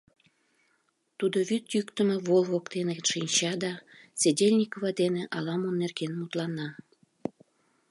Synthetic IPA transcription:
t̪ud̪oβyt̪jykt̪əmeβolˠβokd̪eneʃinʲt͡ɕɑd̪ɑsedʲelʲnʲikoβɑd̪eneʔɑlɑmonːerɣenmut̪lɑnːɑ

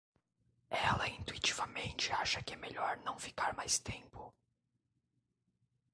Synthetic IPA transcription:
ɛlɐĩnt̪uit͡ʃivɐmẽnt͡ʃɪaʃɐkɪɛmeʎɔɾnɐ̃w̃fi̥kaɾmajst̪ẽmpʊ

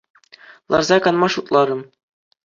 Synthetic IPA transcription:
lˠɑ̰rzɑkɑnmɑʂut̪lˠɑɾɤ̆m

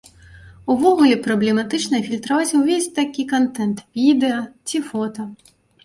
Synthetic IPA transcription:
uvɔɣulʲɛpɾɐblʲɛmat̪ɨt͡ʂnɐfʲilʲt̪ɾavat͡sʲuvʲesʲt̪akʲikant̪ɛnt̪vʲid̪ɛjɐt͡sʲifɔt̪ɐ

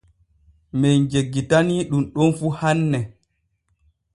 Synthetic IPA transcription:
mɛnd͡ʒeɡːitaniɗumɗɔnfuhanːɛ

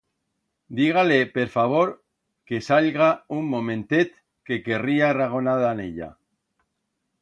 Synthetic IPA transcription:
d̪iɣ̞alepeɾfaβ̞oɾ | kesaʎɣaumːomẽnt̪et̪ | kekeriaraɣ̞onaðanḛʎa̰

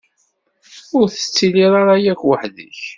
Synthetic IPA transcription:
ʊɾθə̥t͡sːiliɾˤaɾajækwəħðḭç

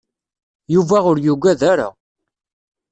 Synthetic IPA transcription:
juvæʁʊɾjuɡʷæðaɾa̰

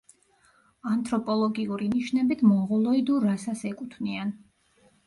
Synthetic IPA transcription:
ant̪ʰʼɾɔpʼɔlˠɔɡiuɾiniʃnɛbit̪ʰmɔʁɔlˠɔid̪uɾasasɛkʼut̪ʰvnian

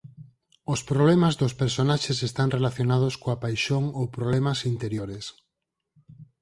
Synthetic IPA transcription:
ospɾoβlemazðospeɾsonaʃesest̪aŋrelaθjonaðoskoapajʃoŋowpɾoβlɛmasint̪eɾjoɾes

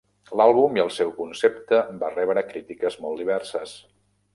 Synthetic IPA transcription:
lalˠβumiəlˠsewkunsept̪əbarɛβɾəkɾit̪ikəzmɔlˠd̪iβɛrsəs

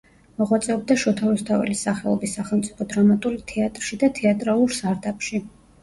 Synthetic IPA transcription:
mɔʁwat̪sʼɛɔb̚d̪aʃɔt̪ʰavist̪ʰavɛ̰lisaχɛlˠɔ̰bisːaχɛlˠmt̪sʼipʰɔd̪ɾamat̪ʼulit̪ʰɛat̪ʼɾʃid̪at̪ʰɛat̪ʼɾalˠuɾst̪ʼaɾd̪apʰʼʃi

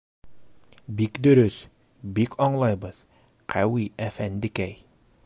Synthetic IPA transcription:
bikd̪ɵ̆ɾɵs | bikʰɒɴlˠɑjbɤð̥ | qʰæwiæfænd̪ɘkæj

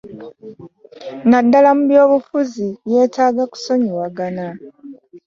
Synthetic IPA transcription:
nadːalamuβjo̞ːβufuzije̞ːtaːɡaku̥so̞ɲiwaɡana

